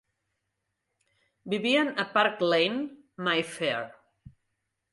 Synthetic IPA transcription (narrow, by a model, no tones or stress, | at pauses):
biβianəpaɾklejn | majfeɾ